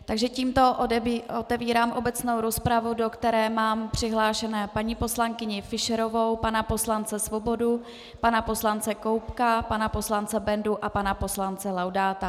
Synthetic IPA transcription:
t̪aɡʒɛciːmt̪o̞ʔobot̪ɛviːɾaːmʔo̞bɛt͡sno̞wɾo̞spɾavudo̞kt̪ɛɾɛːmaːmpr̝̥ɪɦlaːʃɛnɛːpaɲiːpo̞slaŋkɪɲɪfɪʃɛɾo̞vo̞wpanapo̞slant͡sɛsvo̞bo̞du | panapo̞slant͡sɛko̞wpkapanapo̞slant͡sɛbɛnduʔapanapo̞slant͡sɛlawdaːt̪a

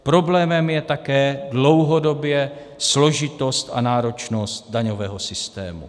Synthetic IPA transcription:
pɾo̞blɛːmɛmjɛt̪akɛːdlo̞wɦo̞do̞bjɛ | slo̞ʒɪt̪o̞st̪ʔanaːɾo̞t͡ʃno̞st̪̚daɲo̞vɛːɦo̞sɪst̪ɛ̰ːmṵ

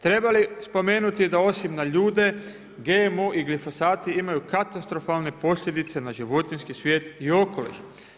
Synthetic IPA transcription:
t̪ɾe̞balispo̞me̞ːnut̪id̪ao̞simnaʎuːd̪e̞ | ɡemuʔiɡlifo̞saːt̪iimajukat̪ast̪ɾo̞falˠne̞po̞sʎʲe̞d̪it̪se̞naʒiʋo̞t̪inskisʋje̞ːt̪io̞ko̞lḭʃ

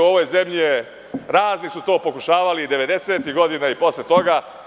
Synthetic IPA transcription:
uo̞ʋo̞jze̞mʎie | ɾaːznisut̪o̞ːpo̞kuʃaːʋalid̪e̞ʋe̞d̪e̞seːt̪iɡo̞d̪inaipo̞slet̪o̞ɡa

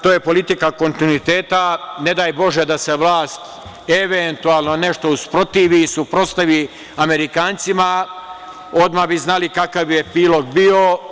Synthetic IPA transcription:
t̪oːjepo̞lit̪ikako̞nt̪inuit̪eːt̪ane̞d̪aːjbo̞ʒed̪ase̞ʋlˠaːst̪ | eʋent̪ualˠno̞ne̞ʃt̪o̞uspɾo̞t̪iʋisupɾo̞st̪aʋi | ame̞ɾikaːnt̪sima | o̞d̪mabiznalikakaʋjepiːlo̞ɡbio̞

